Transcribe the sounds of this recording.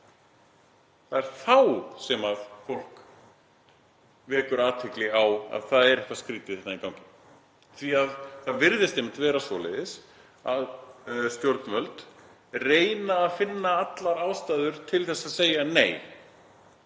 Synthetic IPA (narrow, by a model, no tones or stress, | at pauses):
θaðɛɾ̥θawsɛmaðfowl̥k | vɛːkʏɾaːt̪hɪklɪawa̰ðθaðɛɾɛhkvaskɾiːt̪ɪθɛht̪naikaw̃cɪn | θviaðθaðvɪɾðɪst̪ejmɪ̥nt̪vɛːɾasvɔːlḛðɪs | a̰ðst̪jowɾt̪nmœlt̪ | reːjnaːðfɪnːaat̪laɾaːwst̪aːðʏɾ̥t̪ʰɪlθɛsːaðseːjanḛːj